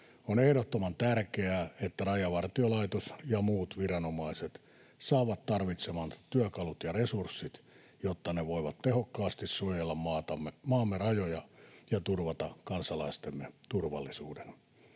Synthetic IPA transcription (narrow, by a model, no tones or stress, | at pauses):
onehɾot̪ːomɑnt̪ærkeæːet̪ːærɑjɑʋɑrt̪iolɑit̪osjɑmuːt̪ʋirɑnomɑiset̪ | sɑːʋɑt̪t̪ɑrʋit̪semɑnt̪yækɑlut̪jɑresursːit̪ | jot̪ːɑneʋoiʋɑt̪t̪ehokːɑːst̪issuojelːɑmmɑːt̪ɑmːemɑːmːerɑjojɑjɑt̪urʋɑt̪ɑkɑnsɑlɑist̪emːet̪urʋɑ̰lːisuːden